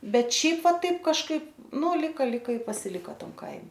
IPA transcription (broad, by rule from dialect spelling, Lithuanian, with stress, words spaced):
ˈbʲɛt ˈʃʲɛɪp ˈʋɐ ˈtɐɪp kɐʃˈkɐɪp nʊ lʲˈɪkɐ ˈlʲɪkɐ ɪ pɐsʲɪˈlʲɪkoː ˈtɐm ˈkɐɪmʲɛ